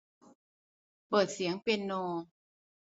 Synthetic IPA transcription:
pɤː˨˩t̪̚si˩˦əŋpe˧nːoː˧

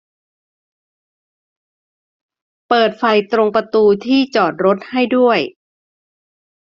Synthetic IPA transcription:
pɤː˨˩t̪̚fa˧jt̪ɾo˧ŋpɾa˧t̪uː˧t̪ʰiː˥˩t͡ɕɔː˨˩t̪̚ɾo˦˥t̪̚ha˥˩jdu˥˩əj

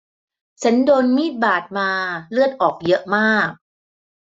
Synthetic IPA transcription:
t͡ɕʰa˦˥ndoː˧nmiː˥˩t̪̚baː˨˩t̪̚maː˧lɯ˥˩ət̪̚ʔɔː˨˩k̚jɤ˦˥ʔmaː˥˩k̚

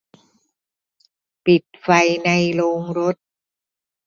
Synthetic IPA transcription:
pi˨˩t̪̚fa˧jna˧jloː˧ŋɾo˦˥t̪̚

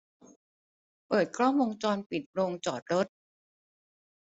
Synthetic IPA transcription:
pɤː˨˩t̪̚kʰɾɔː˥˩ŋwo˧ŋt͡ɕɔː˧npi˨˩t̪̚ɾoː˧ŋt͡ɕɔː˨˩t̪̚ɾo˦˥t̪̚

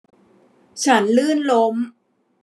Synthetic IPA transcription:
t͡ɕʰa˦˥nlɯː˥˩nlo˦˥m

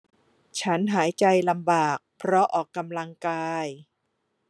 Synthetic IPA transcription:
t͡ɕʰa˦˥nɦaː˩˦jt͡ɕa˧jla˧mbaː˨˩k̚pʰɾɔ˦˥ʔɔː˨˩kːa˧mla˧ŋkaː˧j

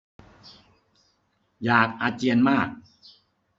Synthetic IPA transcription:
jaː˨˩k̚ʔaː˧t͡ɕi˧ənmaː˥˩k̚

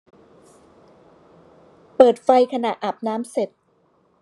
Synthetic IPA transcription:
pɤː˨˩t̪̚fa˧jkʰa˧na˨˩ʔʔa˨˩p̚naː˦˥mse˨˩t̪̚

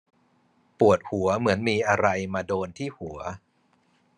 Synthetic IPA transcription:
pu˨˩ət̪̚hu˩˦ɐmɯ˩˦ənmiː˧ʔa˧ɾa˧jmaː˧doː˧nt̪ʰiː˥˩hu˩˦ɐ

